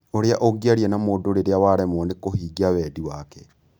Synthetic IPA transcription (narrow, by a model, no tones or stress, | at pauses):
oɾeaʔoɡiaɾiɛnamoːdoɾeɾeawaɾɛmɔnekohiɡiawɛːdiwakɛ